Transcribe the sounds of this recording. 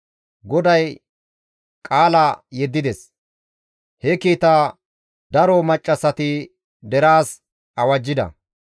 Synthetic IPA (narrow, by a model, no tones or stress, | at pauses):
ɡɔd̪ɐj | kʼaːlajɛd̪ːɪd̪ɛs | hɛkiːt̪aː | d̪ɐɾɔmɐt͡ʃʼːɐsɐt̪ɪ | d̪ɛɾaːs | ʔɐwɐd͡ʒːɪd̪ɐ̰